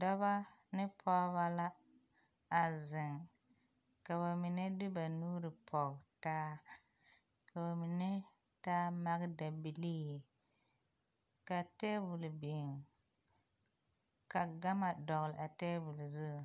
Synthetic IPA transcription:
dɔ˦βa˦ | nɪ˦pʰɔ˦βa˦la˦ | a˨zɪ˨ŋ | ka˨ba˨mi˨nɛ˦dɪ˦ba˨nuː˦ɾɨ˨pʰɔ˨ɣtaː˦ | ka˨ba˨mi˨nɛ˦ | taː˦ma˦ɣda˨bi˨li˦j | ka˨tɛː˦bu˨lbe˨ | ka˨ɡa˦ma˨dɔ˨ɣlɪ˨a˨tɛː˦bu˨lzu˦˨

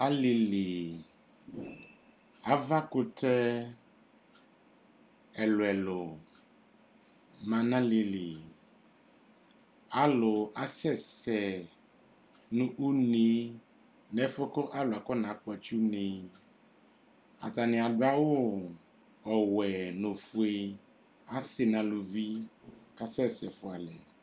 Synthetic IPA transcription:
a˦li˨li˨ | a˨va˦kʊ˦tɛ˦ | ɛ˨lʊ˨ɛ˨lʊ˨ | mã˨nã˦li˨li˨ | a˨lʊ˨a˦sɛ˦˨sɛ˨ | nʊ̃˦ʔu˦ne˦ | nɛ˨fʊ˦kɔ˦ʔa˦lʊ˨a˨kɔ˦nã˨˦k͡pʊ˦a˨t͡ʃu˦nẽ˨ | a̰˨t̪a˨nɪ̃˨a˨dʊ˦a˦wo˦ | ɔ˨wɛ˨nʊ̃˨fu˨˦e˦ | a˦sɪ˨nã˨lu˨vi˦ka˦sɛ˦sɛ˨fʊ˨a˨lɛ˨

